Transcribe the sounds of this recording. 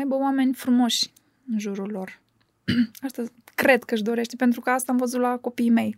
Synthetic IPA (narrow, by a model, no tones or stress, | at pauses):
ajbəowame̞nʲfɾumo̞ʃʲ | ɨnʒuɾulo̞r | ast̪akɾe̞d̪kəɨʃd̪o̞ɾe̞ʃt̪epe̞nt̪ɾukəast̪aamvəzut̪lako̞piːme̞j